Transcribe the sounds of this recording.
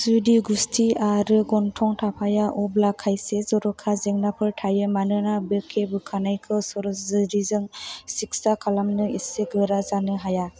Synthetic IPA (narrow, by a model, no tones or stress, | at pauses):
zudiɡustʰiaɾɯɡɔntʰɔŋtʰapʰajaʔɔblakʰːajsezɔɾɔkʰazeŋnapʰɯɾʈʰajɯmanɯnabɯkʰːebɯkʰanajkʰɯsɔɾzɾizɯŋsik̚sakʰalamnɯiseɡɯɾazanɯɦaja